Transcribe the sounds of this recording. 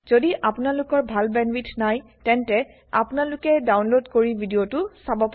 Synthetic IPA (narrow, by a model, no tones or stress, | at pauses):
zodiʔapʊnalʊkɔɹbʱalbɛnwitʰnaj | tɛntɛ | a̰pʊnalʊkɛdawnlodkoɹibʱidijotʊsabɔp